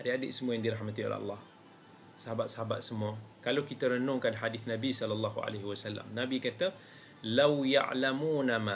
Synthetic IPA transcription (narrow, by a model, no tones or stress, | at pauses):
ʔadəadə̰ʔsəmuajaŋdiɾaħmat̪io̰lɛ̰lˤːɑh | səɦabat̪̚səɦaba̰t̪̚səmuakalawkit̪aɾənʊŋkanħadiθnãbisɔlalːaɦua̰leɦiwasalːa̰mnãbikat̪a | lawja̰ʔlamunama